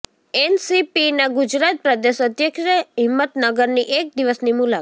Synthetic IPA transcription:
ensipinaɡud͡ʒɾat̪̚pɾəd̪eʃət̪jəkʃəɦɪmːət̪nəɡəɾniʔek̚d̪iʋəsnimula

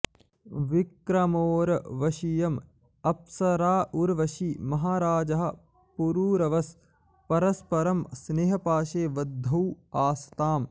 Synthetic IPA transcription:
ʋikɾɐmoːɾɐʋɐʃijɐm | ɐpsɐɾaːʔuɾʋɐʃimɐɦaːɾaːd͡ʒɐɦɐ̆ | puɾuːɾɐʋɐs | pɐɾɐspɐɾɐmsneːɦɐpaːʃeːʋɐd̪ʱːɐwaːst̪aːm

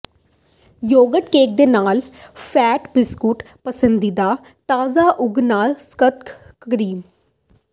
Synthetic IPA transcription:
joːɡəʈkeːk̚d̪eːnaːlpʰɛːʈbɪskuːʈ | pəsənd̪iːd̪aː | t̪aːzaːʔʊɡnaːlskət̪kəɾiːm

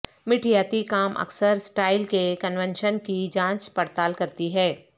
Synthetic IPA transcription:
mɪʈʰijaːt̪ikaːmʔɐ̰ksəɾsʈaːɪlkekənʋɛ̃nʃənkid͡ʒãːt͡ʃpɐɾt̪aːlkɐɾt̪iɦɛː

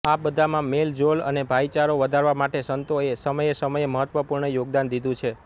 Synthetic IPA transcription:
abəd̪ʱamãmeld͡ʒolə̰nebʱait͡ʃaɾoʋəd̪ʱaɾʋamaʈesənt̪oesəməjesəməjeməɦət̪ʋəpuɾɳəjoɡ̚d̪and̪id̪ʱũt͡ʃʰe

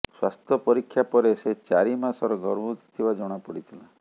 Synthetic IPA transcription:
swast̪ʰjɔpɔɾikʰːjapɔɾeset͡ʃaɾimasɔɾɔɡʱɔɾɔbut̪i̥t̪ʰibad͡ʒɔɽ̃apɔɽit̪ʰila

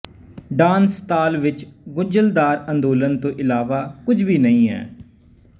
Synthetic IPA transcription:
ɖaːnst̪aːlʋɪt͡ʃɡʊd͡ʒəld̪aːɾənd̪oːlənt̪õːʔɪlaːʋaːkʊd͡ʒʱbiːnəĩːɦɛ̰ː

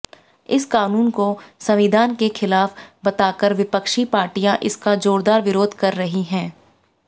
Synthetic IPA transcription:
ɪskaːnuːnkosɐʋiːd̪ʱaːnkexɪlaːfbɐt̪aːkəɾʋɪpəkʃipaːɾʈijãʔɪskad͡ʒoːɾd̪aːɾʋɪɾoːd̪ʱkɐɾːɐɦiɦɛ̃ː

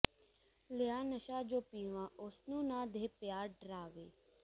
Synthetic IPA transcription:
lɪjaːnəʃaːd͡ʒoːpiːʋãːʊsnũːnãːd̪ʱeːpjaːɾɖɾaːʋeː

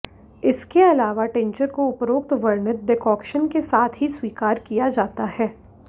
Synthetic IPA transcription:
ɪskeɐlaːʋaʈɛ̃ɲt͡ʃəɾkoʊpɾoːk̚t̪ʋɐɾnət̪̚ɖɪkɔːkʃənkesaːt̪ʰɦisʋiːkaːɾkijad͡ʒaːt̪aɦɛː

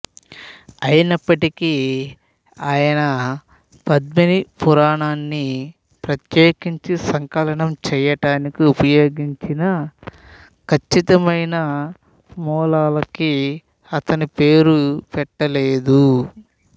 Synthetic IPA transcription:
ɐjinɐpːɐʈiki | aːjɐnɐ | pɐd̪minipuɾaːɳaːnːi | pɾɐt̪jeːkiɲt͡ʃisɐŋkɐlɐɳɐmt͡ʃɛjɐʈaːnikiupɐjo̞ːɡiɲt͡ʃinɐ | kɐt͡ʃːit̪ɐmɐjnɐ | mɔːlaːlɐki | ɐt̪ɐnipeːɾupɛʈːɐleːd̪u

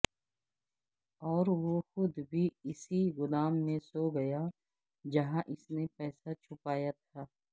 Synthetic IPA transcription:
ɔːɾʋoxʊd̪bʱiɪsiɣʊlaːmːẽsoɡɐja | d͡ʒɐɦãʔɪsnepɛːsat͡ʃʰʊpaːjat̪ʰaː

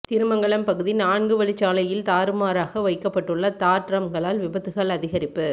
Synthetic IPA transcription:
t̪ɪɾɯmɐŋɡɐɭɐmpɐɣɯðinaːɳɡɯʋɐɭɪt͡ʃːaːlɐjɪlt̪aːɾɯmaːɾaːɣɐʋɐɪkːɐpːɐʈːɯɭːɐt̪aːʈɾɐmɡɐɭaːlʋɪbɐðɯɣɐɭɐðɪɣɐɾɪpːɯ

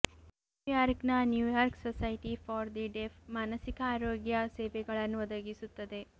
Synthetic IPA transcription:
nujaːɾknɐnjuːjaːɾksosɐjʈifʰɔːɾd̪iɖepʰmaːnɐsikɐaːɾoːɡjɐseːʋɛɡɐɭɐnːuʋɔd̪ɐɡisut̪ːɐd̪e̞

